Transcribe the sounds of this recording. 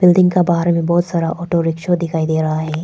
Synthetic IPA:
b̥ɪlɖɪ̃ŋɡkabaːɦɾmẽbɔːt̪saːɾaʔɔːʈoɾɪkʃod̪ɪkʰaːid̪eːɾɐɦaɦɛː

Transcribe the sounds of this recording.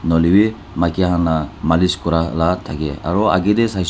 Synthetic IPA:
nɔliwi | makiaɦanamaliskuɾalat̪ʰaɡea̰ɾɔa̰ɡid̪esajs

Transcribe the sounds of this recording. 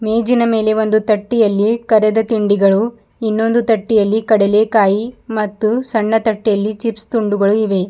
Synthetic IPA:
meːd͡ʒinɐme̞ːleʋo̞nd̪ut̪ɐʈːijɐlːikɐɾɛd̪ɐt̪iɳɖiɡɐɭu | inːo̞nd̪ut̪ɐʈːijɐlːikɐɽɛle̞ːkaːjimɐt̪ːusɐɳːɐt̪ɐʈːijɐlːit͡ʃipst̪uɳɖuɡɐɭuiʋe̞

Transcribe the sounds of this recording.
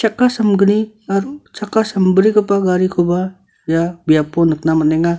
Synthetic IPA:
t͡ʃakasamɡəni | aɾt͡ʃakasəmbəɾikəpaɡaɾikʰuba | jabiaponək̚naməneŋa

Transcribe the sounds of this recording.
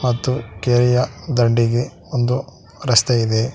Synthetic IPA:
mɐt̪ːukeːɾɛjɐd̪ɐɳɖiɡe | ond̪u | ɾɐst̪eid̪e

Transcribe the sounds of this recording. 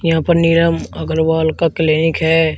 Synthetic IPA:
jɐɦãːpəɾnɪɾəməɡəɾʋaːlkakəleːnɪkɦɛː

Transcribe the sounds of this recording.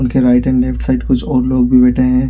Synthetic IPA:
ʊnkeɾaːɪʈɛ̃ɳɖlɛfʈsaɪʈkʊt͡ʃʰɔːɾloːɡbʱibɛːʈʰeɦɛ̃ː

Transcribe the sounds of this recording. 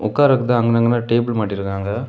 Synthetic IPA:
ʊkːaːɾɐkːɯt̪ãːɐŋɡɐnɐŋɡɐnːaːʈeːbɪlmaːʈːɪɾɯkːaːŋɡɐ

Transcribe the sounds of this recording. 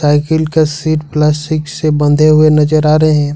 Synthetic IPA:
aːɪkəlkesiːʈplɛːsʈɪksebə̃nd̪ʱeɦʊenɐd͡ʒəɾaːɾəɦeɦɛ̃ː

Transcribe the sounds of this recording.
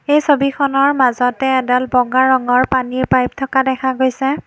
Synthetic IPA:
ejsobixɔnɔɹmazɔtɛːdalbɔɡaɹɔŋɔɹpaniɹpajp̚tʰɔkadɛkʰaɡojsɛ

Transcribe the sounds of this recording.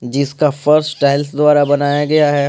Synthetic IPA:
d͡ʒɪskafɐɾssʈaːɪlsd̪ʊwaːɾabɐnaːjaɡɐjaɦɛː

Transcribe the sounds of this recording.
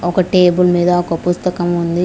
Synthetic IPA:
ɔkɐʈeːbɯlmeːðaːɔkːɐpʊst̪ɐkɐmʋɐnd̪ɯ

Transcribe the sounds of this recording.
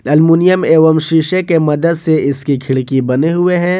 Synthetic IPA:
ɐlmuːnijəmeːʋəmʃiːʃekemɐd̪əd̪seɪskikʰɪɭkibɐneɦʊeɦɛ̃ː

